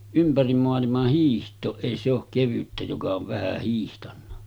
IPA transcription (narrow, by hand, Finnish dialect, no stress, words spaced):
ympærim moɑlimɑh hiːhtˑoːʔ ʔeˑi se ok keʋytːæ jokɑ oʋ ʋæhæ hiːhtɑnːɑ